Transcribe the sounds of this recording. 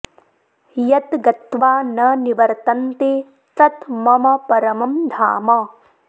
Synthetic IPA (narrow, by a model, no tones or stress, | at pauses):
jɐt̪ɡɐt̪ʋaːnɐniʋɐɾt̪ɐnt̪eː | t̪ɐt̪mɐmɐpɐɾɐmɐmd̪ʱaːmɐ